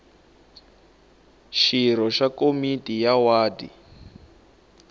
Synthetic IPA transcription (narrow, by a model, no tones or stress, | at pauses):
ʃiɾ̤ɔʃakomitʼijawaːdḭ